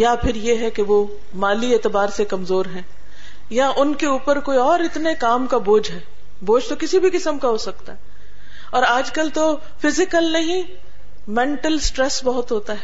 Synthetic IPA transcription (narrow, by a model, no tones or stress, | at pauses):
japʰɪɾjeɦɛkeʋo | maːlieːt̪ɪbaːɾsekɐmzoːɾɦɛ̃ː | jaʔʊnkeuːpəɾkoːiɔːɾɪt̪nekaːmkaboːd͡ʒɦɛː | boːd͡ʒt̪okɪsibʱikɪsəmkaɦoːsɐk̚t̪aɦɛː | ɔːɾaːd͡ʒkɐlt̪o | fɪzɪkəlnɐɦĩ | mɛ̃ːɳʈəlsʈɾɛsbɐɦʊt̪ɦoːt̪aɦɛː